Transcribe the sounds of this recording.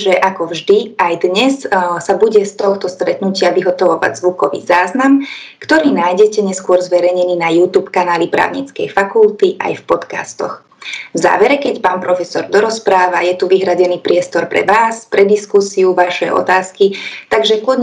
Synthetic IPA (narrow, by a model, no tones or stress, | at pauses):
ʒɛʔakɔvʒd̪iajd̪ɲɛssabuɟɛst̪ɔxt̪ɔst̪ɾɛt̪nucɪaʋiɦɔt̪ɔʋɔʋa̰ɟzʋukɔʋḭːzaːznamkt̪ɔɾiːnajɟɛcɛɲɛskʊɔɾzʋɛɾɛjɲɛniːnajuːt̪uːpkanaːlipɾa̰ːʊɲit͡skɛ̰jfakult̪iʔa̰jfpɔt̪ka̰st̪ɔ̰x | vza̰ːʋɛɾɛkɛcpaːnpɾɔfɛsɔɾd̪ɔɾɔspɾaːʋajɛt̪uʋiɦɾaɟɛniːpɾɪɛst̪ɔɾpɾɛ̰ʋaːspɾɛd̪iskusiuʋaʃɛɔ̰t̪aːskit̪aɡʒɛkʊɔd̪